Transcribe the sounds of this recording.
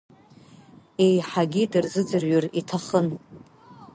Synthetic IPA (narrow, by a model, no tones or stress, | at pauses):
e̞jħaɡʲidɨrzɨd͡zɨrɥʊritʰaχən